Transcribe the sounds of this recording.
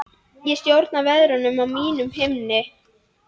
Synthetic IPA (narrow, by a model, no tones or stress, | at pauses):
jɛst̪jowɾt̪navɛðɾʏnʏmawmiːnʏmɦɪmnɪ